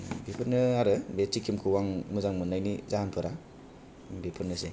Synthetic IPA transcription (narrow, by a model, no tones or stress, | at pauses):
bipʰɯɾnɯaɾɯbet͡ʃikʰːimkʰɯwaŋmuzaŋmɯnːajnizaɦanpʰɯɾa | bepʰɯɾnɯse